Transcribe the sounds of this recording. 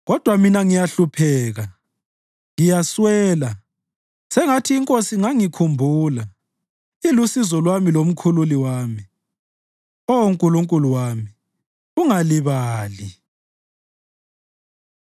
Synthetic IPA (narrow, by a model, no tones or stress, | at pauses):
ɣɔd̥ʱwaminaŋijaɬupʰɛːɣa | ŋijaswɛːla | sɛŋatʰiːŋkʼosiŋaŋikʰumbʱuːla | ilusizɔlwamilom̩kʰululiwaːmi | ɔoŋkʼuluŋkʼuluwami | uŋaliβaːli